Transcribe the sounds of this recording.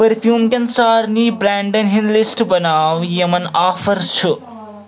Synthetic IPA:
pɐɾfʰjuːmkɐnsaːɾnibɾaːɳɖɐnɦinlisʈbɐnaːwjemɐnaːfʰɐɾt͡sʰu

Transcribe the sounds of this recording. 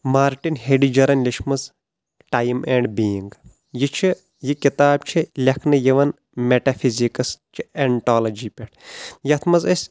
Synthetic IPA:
maːɾʈinɦeɖid͡ʒɐɾɐnlʲiʃmɐz | ʈaːjmeːɳɖbiːiŋɡ | jit͡ʃʰi | jikit̪aːb̚t͡ʃʰilʲɐkʰnɨjiʋɐn | meʈɐfʰizikɐst͡ʃʰieɳʈaːlɐd͡ʒipʲeʈʰjɐt̪ʰmɐzɐsʲ

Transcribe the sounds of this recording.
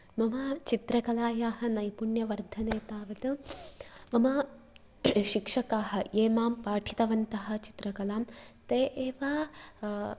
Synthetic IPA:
mɐmɐt͡ʃit̪ɾɐkɐlaːjaːɦɐnɐjpuɳjɐʋɐɾd̪ʱɐneːt̪aːʋɐt̪ɐ | mɐmɐ | ʃikʂɐkaːɦɐ̆jeːmaːmpaːʈʰi̥t̪ɐʋɐnt̪ɐɦɐ̆t͡ʃi̥t̪ɾɐkɐlaːmt̪eːʔeːʋaː

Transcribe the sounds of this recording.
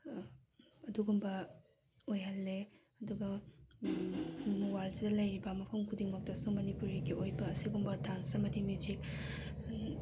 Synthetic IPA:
ɐduɡumbɐ | ojɦɐlːe | ɐduɡɐ | muwalzidɐlɐjɾibɐmɐpʰɐmkʰudiŋmɐk̚tɐsumɐnipuɾiɡiʔojbɐːsiɡumbɐtʰansɐmɐdimud͡ʒik̚

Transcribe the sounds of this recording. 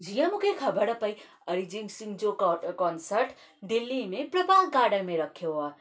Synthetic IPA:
d͡ʒijãmukʰekʰəbəɽəpəj | əɾid͡ʒiŋɡsĩŋɡd͡ʒokkɔnsəɾʈ | d̪ilːimepɾəpalkaɖəmeɾəkʰea

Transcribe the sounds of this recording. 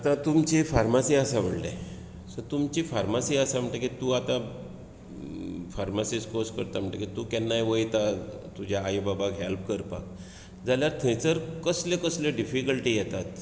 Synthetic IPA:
at̪ãt̪umt͡ɕifaɾmasiasaʋəɽle | sət̪umt͡ɕifaɾmasiəsam̤əɳʈakit̪uːat̪ã | faɾmasiskoskəɾt̪am̤əɳʈakit̪uːkɛnːajʋəjt̪at̪ud͡ʑʱjaːjbabakɦelp̚kəɾpa̰k̚ | d͡zaljaɾt̪ʰə̃jt͡səɾkəslekəsleɖifikəlʈiːjɛt̪at̪

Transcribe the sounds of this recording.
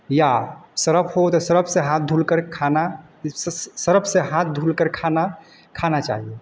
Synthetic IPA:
jasəɾəpʰhot̪ɔsəɾəbʰseɦãt̪̚d̪ʱulkəɾkʰana | ssəɾəbʰsẽɦãt̪̚ʰd̪ʱulkəɾkʰana | kʰanat͡ʃa̰ɦie

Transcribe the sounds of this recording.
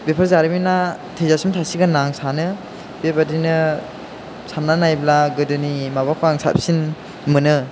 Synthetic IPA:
bepʰaɾzaɾimina | tʰezasimtʰasiɡanaŋsanɯ | bebadinɯ | sʰamnanajblaɡɯdɯnimabakʰoaŋsa̰p̚sin | mɯnɯ

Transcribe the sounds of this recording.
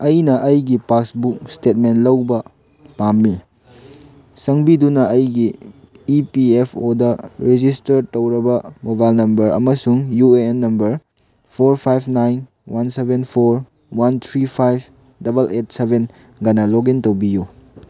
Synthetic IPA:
ɐjnɐʔɐjɡipasbuk̚stet̚menlɐwbɐ | pamːi | sɐŋbidunɐːjɡiː | piepʰodɐɾed͡ʒistɐɾtɐwɾɐbɐmobajlnɐmbɐɾɐ̰mɐsuŋjueenːɐmbɐɾ | pʰoɾpʰajpʰnajn | wansebenpʰoɾ | want̪ʰɾipʰajb̚ | dɐbɐlet̚sebʱen | ɡɐnɐloɡintɐwbiju

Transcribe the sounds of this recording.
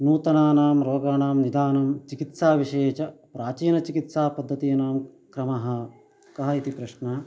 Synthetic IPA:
nuːt̪ɐnaːnaːmɾoːɡaːnaːmnid̪aːnɐmt͡ʃikit̪saːʋiʃeːt͡ʃɐpɾaːt͡ʃiːnɐt͡ʃikit̪saːpɐd̪ʱːɐt̪ijːnaːmkɾɐmɐɦɐ̆ | kɐɦɐit̪ipɾɐʃnɐ

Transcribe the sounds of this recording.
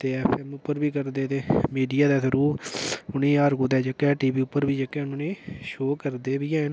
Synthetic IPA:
t̪eːɛːpʰɛːmʊpːəɾbiːkəɾd̪eːt̪eːmiːɖijaːd̪aːsəɾuːʊnĩːaːɾɡuːd̪ɛːd͡ʒəkːɛːʈiːbiːʊpːəɾbiːd͡ʒəkːɛːʊnoːnẽːʃoːkəɾd̪eːbiːɛ̃ːn

